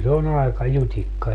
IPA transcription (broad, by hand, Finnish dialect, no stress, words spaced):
se on ɑekɑ jutʲikːɑ